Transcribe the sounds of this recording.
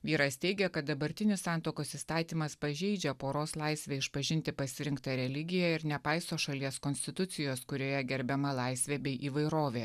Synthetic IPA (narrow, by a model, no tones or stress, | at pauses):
ʋʲiːɾɐst̪ʲɛɪɡʲɛkɐt̪̚d̪ɐbɐɾʲt̪ʲɪnʲɪsɑˑnt̪oːkoːsiːst̪ɑːt̪ʲiːmɐspɐʒʲɛɪd͡ʒʲɛpoːɾoːslˠɑɪsʲʋʲeːɪʃpɐʒʲɪnʲt̪ʲɪpɐsʲɪɾʲɪŋkt̪ɑɾʲɛlʲɪɡʲɪjæɪɾnʲɛpɑɪsoːʃɐlʲiɛskɔnʲsʲt̪ʲɪt̪ʊt̪sʲɪjoːskʊɾʲoːjɛɡʲɛɾʲbʲɛmɐlˠɑɪsʲʋʲeːbʲɛɪʔiːʋɐɪɾoːʋʲeː